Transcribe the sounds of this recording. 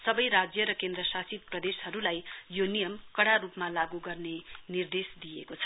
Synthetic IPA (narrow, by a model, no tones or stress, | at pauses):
sʌbʌjɾad͡zjʌɾʌkend̪rʌsasit̪̚prʌd̪eshʌɾulajjonijʌmkʌɽaɾupmalaɡuɡʌrnenird̪esd̪ijḛkot͡sʰʌ̥